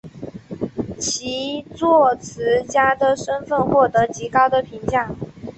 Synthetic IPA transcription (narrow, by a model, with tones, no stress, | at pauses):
t͡ɕʰi˧˥t͡swɔ˥˩t͡sʰɹ̩˧˥t͡ɕja˥d̪ə˨ʂə˥nfə˥˧nxwɔ˥˩t̪ɤ˧˥t͡ɕi˧˥kɑ˥ʊd̪ə˨pʰi˧˥ŋt͡ɕja˥˩ŋ